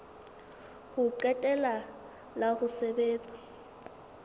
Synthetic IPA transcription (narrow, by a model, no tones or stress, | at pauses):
hʊǃɛtʼɛla | lahʊsɛbeːt͡sʼḁ